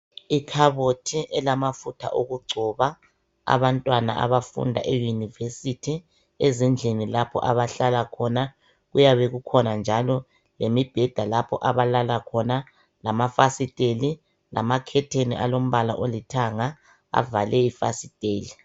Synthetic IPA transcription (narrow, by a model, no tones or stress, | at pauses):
ikʰaβotʰiʔɛlamafutʰa̰ʔoɣuɡ͡ǀʱɔβa | a̰βantʼwana̰ʔa̰βafṵndʱa̰ʔejunivesitʰi | ezind͡ɮʱenilapʰɔ̰ʔaβaɬalakʰɔna | ɣujaβɛɣukʰɔnand͡ʒʱalɔ | lemib̥ʱɛd̥ʱalapʰɔ̰ʔaβalalakʰɔna | lamafasitʼeli | lʔa̰makʰɛtʰenḭʔa̰lom̩βala̰ʔolitʰaŋa | a̰valɛifa̰sitʼeːli